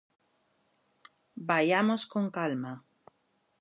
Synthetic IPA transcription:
bajamosko̞ŋkalma

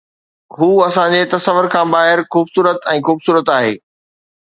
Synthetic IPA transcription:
ɦuːɐsãd͡ʑet̪ɐsəʋːəɾkʰãːbaːɦɪɾxuːbsuːɾət̪ɛ̃ːxuːbsuːɾət̪aːɦḛː

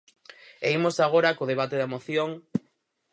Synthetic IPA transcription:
eimosaɣ̞oɾakoðeβ̞at̪eðɐamoθjoŋ

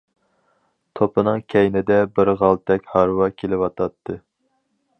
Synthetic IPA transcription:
t̪ʰopʰɨnɨŋkʲʰɛjnɪd̪ɛbɪɾʁɑlˠt̪ʰɛkʲhɑɾwɑkʲʰelɪwɑt̪ʰɑt̪ʰːɨ

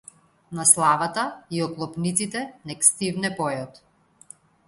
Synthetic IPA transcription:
naslˠavat̪aiɔklˠɔpnit̪sit̪ɛnɛkst̪ivnɛpɔjɔt̪

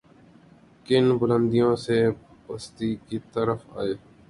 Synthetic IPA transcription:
kɪnbʊlə̃nd̪ijõːsepəst̪iːkit̪əɾəfa̰ːeː

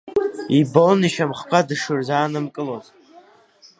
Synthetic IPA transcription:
ibolniʃamχkʷʰadɨʂɨrzaːnɨmkʼɨloz

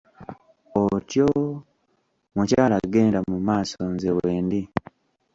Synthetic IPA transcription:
otjo | mucaːlaɡe̞ːndamumaːsonzeweːndi

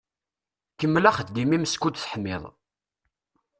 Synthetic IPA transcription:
kəmːlæχəθd̪imimskud̪θħəmːɪðˤ

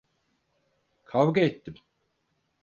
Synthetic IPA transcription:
kʰavɡaet̪ʰːim

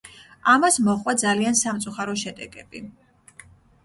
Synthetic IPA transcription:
amasmɔχʼwad̪zaliansamt̪sʼuχaɾɔʃɛd̪ɛɡɛbi

